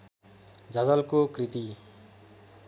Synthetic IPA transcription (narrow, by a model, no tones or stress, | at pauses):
d͡zʌd͡zʌlkokrit̪i